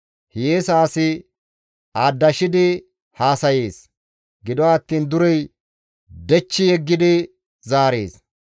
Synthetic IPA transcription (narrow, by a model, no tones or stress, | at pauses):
hjeːsaːsɪ | aːd̪ːɐʃɪd̪ɪ | haːsɐjeːs | ɡɪd̪ɔwaːt̪ːiːnd̪ʊɾɛj | d̪ɛt͡ʃːɪjɛɡːɪd̪ɪ | zaːɾḛːs